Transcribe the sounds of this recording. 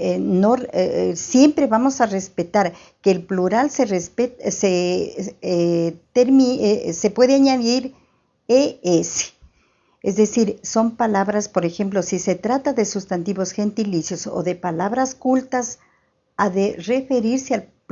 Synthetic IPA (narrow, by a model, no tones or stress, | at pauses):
nosje̞mpɾe̞βamosare̞spe̞t̪aɾ | keːlpluɾalserespet̪se | t̪eɾmise̞pwe̞ðeaɲaðiɾ | eese̥ | ezðe̞siɾso̞mpalaβɾaspo̞ɾe̞xe̞mp̬lo̞sise̞t̪ɾat̪aðe̞sust̪ant̪iβo̞sxe̞nt̪ilisjo̞so̰ðe̞palaβɾaskult̪as | aðere̞fe̞ɾiɾsealp